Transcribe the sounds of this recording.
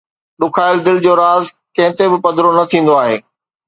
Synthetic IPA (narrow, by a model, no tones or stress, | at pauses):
ɗʊkʰaːɪld̪ɪld͡ʑoːɾaːz | kɐ̃ɦɪ̃t̪ebɪpɐd̪ɪɾonɐt̪ʰĩːn̆d̪oaːɦeː